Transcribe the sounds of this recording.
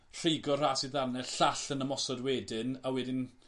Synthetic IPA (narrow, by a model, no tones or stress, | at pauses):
r̥eɡɔr̥aːsiðarnɛɬaɬənəmɔsɔdwɛːdɪnawɛdɪn